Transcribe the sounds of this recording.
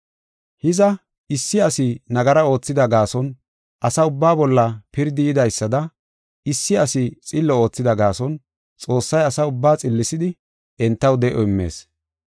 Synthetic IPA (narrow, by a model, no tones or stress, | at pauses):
hɪzɐ | ɪsːɪɐsɪnɐɡɐɾɐo̞ːt͡sːɪd̪ɐɡaːsɔn | ʔɐsɐʊbːaːbɔlːɐpɪɾd̪ɪjɪd̪ɐjsːɐd̪ɐ | ɪsːɪɐsɪt͡sʼɪlːɔo̞ːt͡sːɪd̪ɐɡaːsɔn | t͡sʼo̞ːsːɐjɐsɐʊbːaːt͡sʼɪlːɪsɪd̪ɪ | ɛnt̪ːɐwd̪ɛʔɔɪmːe̞̰ːs